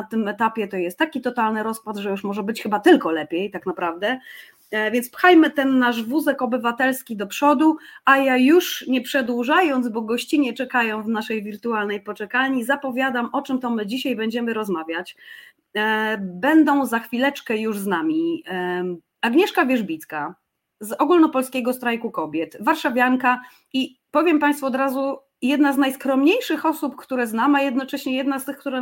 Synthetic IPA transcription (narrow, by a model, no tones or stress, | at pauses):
t̪ɘmɛt̪apʲjɛt̪ɔjɛst̪ːakʲit̪ɔt̪alnɘɾɔspad̪ʐɛjuʂmɔʐɛbɘt͡ɕxɘbat̪ɘlkɔlɛpʲjɛjt̪aknapɾavd̪ɛ | vʲjɛnt̪spxajmɘt̪ɛnːaʐvuzɛkɔbɘvat̪ɛlskʲid̪ɔpʂɔd̪uajajuʂɲɛpʂɛd̪wuʐajɔnd̪zbɔɡɔɕt͡ɕiɲɛt͡ʂɛkajɔ̃w̃vnaʂɛjvʲiɾt̪ualnɛjpɔt͡ʂɛkalɲizapɔvʲjad̪amʔɔt͡ʂɘmt̪ɔmɘd͡ʑiɕajbɛɲd͡ʑɛmɘɾɔzmavʲjat͡ɕ | bɛnd̪ɔ̃w̃zaxfʲilɛt͡ʂkɛjuʐznamʲi | aɡɲɛʂkavʲjɛʐbʲit̪ska | zɔɡulnɔpɔlskʲɛɡɔst̪ɾajkukɔbʲjɛt̪vaɾʂavʲjaŋka | i | pɔvʲjɛmpaj̃st̪fuɔd̪ɾazu | jɛd̪naznajskɾɔmɲejʂɘxɔsupkt̪uɾɛznamajɛd̪nɔt͡ʂɛɕɲɛjɛd̪nast̪ɘxk̚t̪uɾɛ